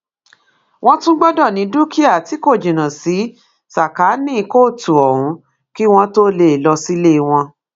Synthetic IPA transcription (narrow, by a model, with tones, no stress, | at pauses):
w̃ɔ̃˦tũ˦ɡ͡bɔ˦dɔ˦˨nĩ˨˦du˦ki˦a˦˨ti˨˦ko˦˨d͡ʒĩ˨nã˨si˨˦ | sa˨ka˨˦nĩ˦˧ko˦˨tu˨ɔ˨ɾ̃ũ˨˦ | ki˦w̃ɔ̃˦to˦le˦˨lɔ˧si˦le˦˧w̃ɔ̃˧